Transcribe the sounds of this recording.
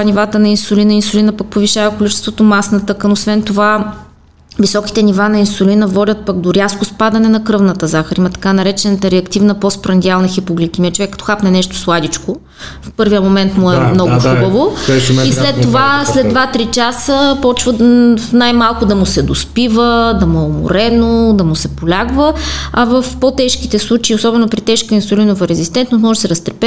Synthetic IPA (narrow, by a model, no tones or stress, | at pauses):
nivat̪ənɐinsʊlinəinsʊlinəpɐk̚poviʃavɐkolit͡ʃɛst̪vot̪omasnɐt̪ɤkənosvɛnt̪ova | visɔki̥t̪ɛnivanɐinsʊlinəvɔd̪ʲət̪̚pəɡd̪oɾʲjaskospad̪ɐnɛnɐkɾɤvnət̪əzaxɾimɐt̪ɐ̥kanɐɾɛt͡ʃɛnɐt̪əɾɛɐkt̪ivnəpɔspɾɐnd̪ʲialˠnɐxipoɡlʲik̪ʲimiɛt͡ʃovɛkːɐt̪ɔ̥xapnɛnɛʃt̪o̥slˠad̪it͡ʃko | fpɤɾviəmomɛnt̪mʊɛmnɔɡʊxubəvoilɛt̪ːovaslɛd̪d̪vat̪ɾit͡ʃasəpɔt͡ʃvəfnajmalˠkʊd̪ɐmʊsɛd̪ospivəd̪ɐmoʊmo̰ɾɛnod̪ɐmʊsɛpolʲaɡvəɐvəfpɔt̪ɛʃk̟it̪ɛslˠut͡ʃiːosɔbɛnopɾit̪ɛʃkəinsolinovəɾɛzist̪ɛnt̪nosmɔʒəsɛɾɐst̪ɾɛpɛ